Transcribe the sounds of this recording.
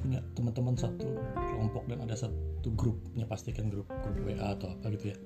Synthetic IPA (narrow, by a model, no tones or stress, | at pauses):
puɲat̪əmənt̪əmənsat̪ukəlɔmpɔk̚danadasatt̪uɡɾup̚ɲapast̪ikanɡɾʊp̚ɡɾup̚weʔaːt̪awapaɡit̪uja